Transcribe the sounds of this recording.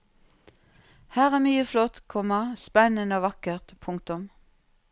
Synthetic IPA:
hæːʁæːmyːəflɔt̪kʰɔmɑspɛnənəoːʋɑkəʁt̪pʰʊŋkt̪ʊm

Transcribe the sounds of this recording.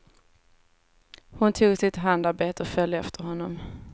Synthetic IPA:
hʊnt̪ʰuːɡsɪt̪ɦand̪aɾbeːt̪əɔfœljəɛft̪ʰəɾhɔnːɔm

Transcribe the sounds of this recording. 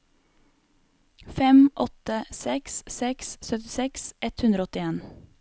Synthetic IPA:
fɛmʔɔt̪əsɛkssɛkssœt̪ɪsɛksʔɛt̪hʉnd̪ɾɔɔt̪ɪeːn

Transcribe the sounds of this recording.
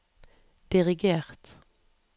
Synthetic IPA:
d̪̥ɪʁɪɡeːʁt̪

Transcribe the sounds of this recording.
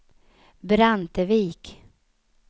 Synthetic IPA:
bɾant̪əviːk

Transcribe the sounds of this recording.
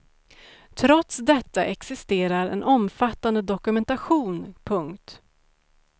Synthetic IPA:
t̪ʰɾɔt̪sd̪ɛt̪ːaʔɛksɪst̪eːɾaɾɛ̰nʔɔmfat̪ːand̪əd̪ɔkɵmɛnt̪aɧuːnpʰɵŋkt̪

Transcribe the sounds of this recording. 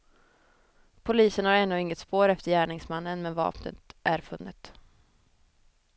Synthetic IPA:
pʰʊliːsənhaɾɛnːɵɪŋːət̪spoːɾɛft̪əɾjæːɳɪŋsmanːənmɛnvɑ̰ːpʰnə̰t̪ʔæɾfɵnːɪt̪

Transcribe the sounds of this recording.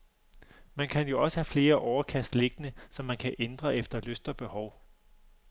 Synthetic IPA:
mænkʰænjo̝ɒ̽səhæfle̝ːɐʔɒʊɐkʰæsd̥le̝ɡ̥ənəsɒ̽mːænkʰæʔend̥ʁɐʔefd̥ɐløsd̥ɐb̥e̝hɒʊ

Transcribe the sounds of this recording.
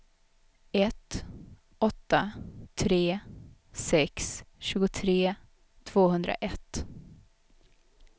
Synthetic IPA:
ɛt̪ | ɔt̪ːat̪ʰɾeː | sɛksɕʉ̟ːɡʊt̪ʰɾeː | t̪ʰv̥oːhɵnd̪ɾa̰ʔɛt̪ː

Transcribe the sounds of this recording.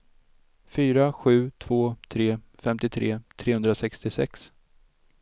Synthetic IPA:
fyːɾaɧʉ̟ːt̪ʰv̥oːt̪ʰɾeːfɛmt̪ɪt̪ʰɾeːt̪ʰɾeːhɵnd̪ɾasɛkst̪ɪsɛ̰ks

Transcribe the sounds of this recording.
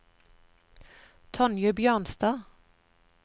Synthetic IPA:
t̪ʰɔnjəbjœːʁnst̪ɑː

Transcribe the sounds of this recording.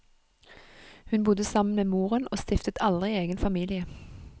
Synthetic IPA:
hʉnbʊd̪əsɑmən̩meːmuːʁənʔoːst̪ɪft̪ət̪ʰɑld̪ʁɪeːɡənfɑmiːlɪə

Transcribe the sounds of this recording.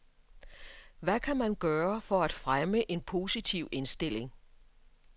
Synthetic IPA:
ʋækʰæmænɡ̥ɶːɐfɒ̽æd̥fʁaməʔe̝npʰo̝ːsit͡sʰiʊ̰e̝nsd̥e̝l̰e̝ŋ

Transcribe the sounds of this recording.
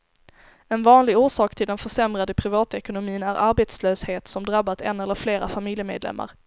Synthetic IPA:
ɛnvɑːnlɪɡuːʂɑːkt̪ʰɪld̪ɛnfœʂɛmɾad̪əpʰɾɪvɑːt̪ɛkʊnʊmiːənæɾʔaɾbeːt̪sløːsheːt̪sɔmd̪ɾabːat̪ɛnːɛlːəɾfleːɾafamɪljəmḛːd̪lɛ̰mːa̰ɾ

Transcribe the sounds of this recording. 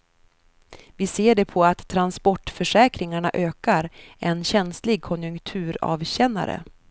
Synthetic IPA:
vɪseːɖɛpʰɔat̪ʰːɾanspɔʈːfœʂɛːkɾɪŋaɳaʔøːkaɾɛnɕɛnslɪɡ̚kʰɔnjɵŋkt̪ʰʉ̟ːɾɑ̰ːvɕɛnːa̰ɾə̰

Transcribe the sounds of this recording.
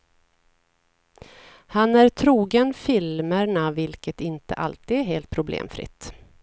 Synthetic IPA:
hanæɾt̪ʰɾuːɡənfɪlməɳavɪlkət̪ɪnt̪ə̰ʔa̰lt̪iːd̪æɦeːlt̪̚pʰɾʊblḛːmfɾɪ̰t̪ː

